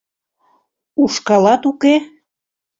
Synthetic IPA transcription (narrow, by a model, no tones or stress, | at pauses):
uʃkɑlɑt̪uke